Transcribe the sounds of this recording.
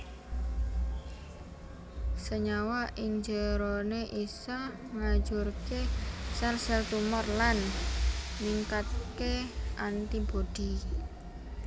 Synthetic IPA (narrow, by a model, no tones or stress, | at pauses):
səɲawaʔɪɲd͡ʒəɾoneʔisa | ŋḁd͡ʒurkesarsɛlt̪umɔrlan | niŋkat̪̚keʔant̪ibod̪̥i